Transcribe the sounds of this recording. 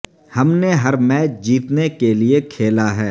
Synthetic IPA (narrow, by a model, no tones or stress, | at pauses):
hɐmneɦɐɾmɛːt͡ʃd͡ʒiːt̪nekeliekʰeːlaɦɛː